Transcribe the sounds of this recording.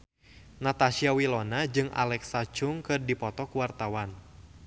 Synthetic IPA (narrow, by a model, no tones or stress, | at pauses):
nat̪aʃiawilɔnad͡ʒɨŋa̰lɛksat͡ʃʊŋkɨrdipɔt̪ɔkuwart̪awan